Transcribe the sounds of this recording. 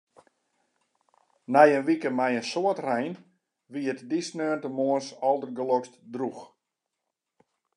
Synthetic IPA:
nɛjənʋikəmɛjənsoətrɛjn | ʋiətdisnøːntəmoəsɔlˠdərɡəlɔkstdrux

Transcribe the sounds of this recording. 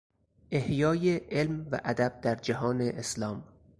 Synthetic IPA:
ʔehjɒːjeʔelmvæ̰ʔæd̪æb̥̚d̪æɾd͡ʒæɦɒːneʔeslɒːm

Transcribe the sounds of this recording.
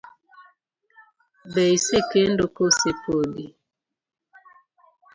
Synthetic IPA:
bɛisekendokosepodi

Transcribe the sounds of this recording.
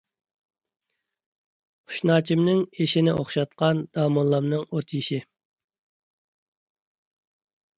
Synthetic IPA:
qʰʊ̥ʃnɑːt͡ʃʰimnɪŋeʃɪnɪʔo̰χʃɑt̪̚qɑnd̪̥ɑːmolˠːɑmnɨŋot̪ʰjiʃɪ

